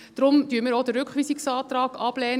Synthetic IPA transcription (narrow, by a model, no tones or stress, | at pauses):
d̥ɾʊmd̥yəɾməɾod̥ərɾʏkχʋiːsɪksɑːtrɑːɡɑb̥lɛːn